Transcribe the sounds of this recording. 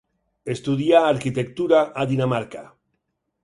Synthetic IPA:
est̪uðjaːɾkit̪ek̚t̪uɾaʔaðinamaɾka

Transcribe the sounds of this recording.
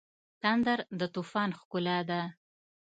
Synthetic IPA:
t̪and̪aɾd̪ət̪ufɑnxkʊlɑd̪a

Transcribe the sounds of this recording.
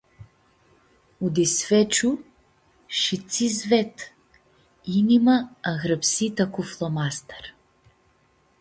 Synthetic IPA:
ud̪isvɛt͡ʃu | ʃit̪sizvɛt̪ | inimaːɣɾəpsit̪akuflˠɔmast̪ɛ̥ɾ

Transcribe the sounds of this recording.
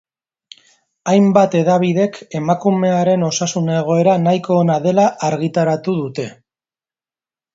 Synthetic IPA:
ajmbat̪e̞ðaβ̞iðe̞ke̞makume̞aɾe̞no̞sasuneɣ̞o̞e̞ɾanajko̞ːnaðe̞laʔaɾɣit̪aɾat̪uðut̪e̞

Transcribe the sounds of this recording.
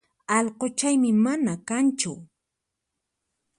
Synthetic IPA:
ɑʎqot͡ʃajmɪmanakant͡ʃʊ̰

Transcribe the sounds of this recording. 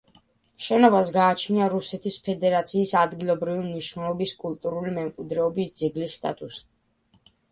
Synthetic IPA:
ʃɛnɔbasɡaːt͡ʃʰniaɾusɛt̪ʰispʰɛd̪ɛɾat̪sʰiːsad̪ɡilˠɔbɾivimniʃnɛlˠɔbiskʼulˠt̪ʼuɾulimɛmkʼid̪ɾɛɔbisd̪zɛɡlisːt̪ʼa̰t̪ʼus

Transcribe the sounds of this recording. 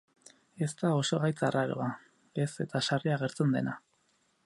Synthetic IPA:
e̞st̪ao̞so̞ɣajt͡saraɾo̰a | e̞se̞t̪asariaɣ̞e̞ɾt͡se̞nd̪e̞na

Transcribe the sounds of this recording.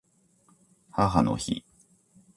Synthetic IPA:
haɦano̰çi

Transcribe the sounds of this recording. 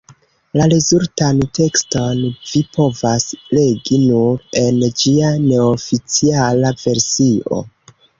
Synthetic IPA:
laɾezultante̞ksto̞nvipʰo̞vasle̞ɡinuɾe̞nd͡ʒiane̞ofit͡sialave̞ɾsiʔo̞̰

